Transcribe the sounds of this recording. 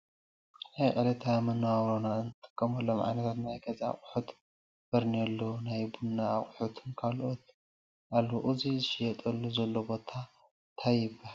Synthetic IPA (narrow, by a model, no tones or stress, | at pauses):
najqʼɐlɐt̪ʰamɐnawawɾonaɨnɨt̪ʼɨ̥kʼːɐmɐlːomʕa̰jnɐt̪ʰat̪najɡʰɐza̰χʼʊħut̪ | bɨɾniɐlːonajbunːaχʼħut̪ʰɨnkʰalʔot̪ | ʔalːoʔɨzizɨʃɪjɛt̪ʼɐlːuzɐlːobo̞t̪ʰa | t̪ʰajɪbaa